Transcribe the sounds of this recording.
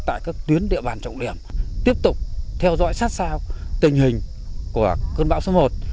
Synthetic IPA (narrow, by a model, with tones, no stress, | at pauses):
t̪a̰ː˧˨jkaː˦˥k̚t̪wi˨˦ənɗḭ˧əɓaː˨˩nt͡ɕə̰˧˨wŋ͡mɗi˧˩əmt̪i˦˥əp̚t̪ʊ˨˩k͡p̚t̪ʰɛ˧wzɔ̰˧˥jsaː˦˥t̚saː˧wt̪ï˨˩ŋ̟hï˨˩ŋ̟ | ku˧˩əkəː˧nɓa̰ː˧˥wso˨˦mo˨˩t̚